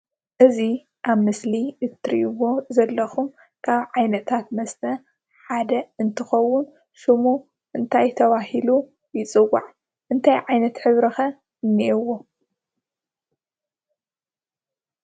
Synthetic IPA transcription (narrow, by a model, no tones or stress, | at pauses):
ʔɨzi | ʔaβmɨsliɨt̪ʰɾḭʔwːo̞zɐlːɐxum | kʰaβʕajnɐt̪ʰat̪mɐst̪ʰɐ | ħad̪ɐɨnt̪ʰɨxɐwːʊn | ʃɨmu | ʔɨnt̪ʰajt̪ʰɐβahilu | jɪt͡sʼɨwa̰ʕ | ʔɨnt̪ʰajʕajnɐt̪ħɨβɾɐxɐ | nːiʔɨwo̞